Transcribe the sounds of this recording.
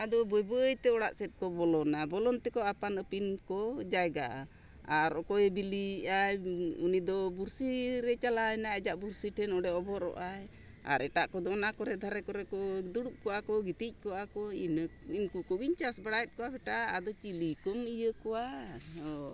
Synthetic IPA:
ad̪ɔbɔjbəːjt̪ɛɔɽaʔsɛt̚kɔbɔlɔnabɔlɔnt̪ɛkɔapanəpinkɔd͡ʒajɡaʔa | aɾɔkɔɛbiliajunid̪ɔbuɾsiɾɛt͡ʃalajnaɛd͡ʒaʔbuɾsiʈʰɛnɔɽɛɔbɔɾɔ̰ʔaj | a̰ɾʔɛʈaʔkɔd̪ɔɔnakɔɾɛd̪ʱaɾɛkɔɾɛkɔd̪uɽuʔ̚kɔakɔɡit̪ic̚ˀkɔakɔininkukɔɡiɲt͡ʃasbaɽaɛt̪̚kɔabɛʈaʔad̪ɔt͡ʃilikɔmijəkɔwaɔ

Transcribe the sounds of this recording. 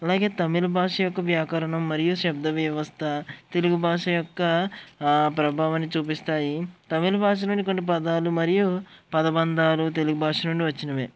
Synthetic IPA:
ɐlaːɡe̞ːt̪ɐmilɐbʱaːʂɐjɔkːɐʋjaːkɐɾɐɳɐmːɐɾijuʃɐb̚d̪ʱɐʋjɐʋɐst̪ʰɐt̪e̞luɡubʱaːʂɐjɔkːɐ | pɾɐbʱaːʋɐnːit͡ʃuːpist̪aːjit̪ɐmilɐbʱaːʂ̬ɐnuɳɖikoɳːip̬ɐd̪aːlumɐɾijupɐd̪ɐbɐnd̪aːlut̪e̞luɡubʱaːʂɐnuɳɖiʋɐt͡ʃːinɐʋeː

